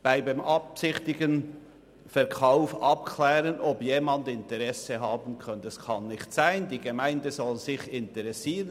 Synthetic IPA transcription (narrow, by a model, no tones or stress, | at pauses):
b̥aɪbamʔɑpsɪçtɪɡən | fɛɾkʰaʊfʔɑpkʰlɛːʁənʔɔpjeːmɑndɪntɛʁɛsəɦɑːbən̩kʰœntɛskʰɑnːɪçtsaɪndiːɡemaɪndəzɔlzɪçɪntɛʁɛsiːʁə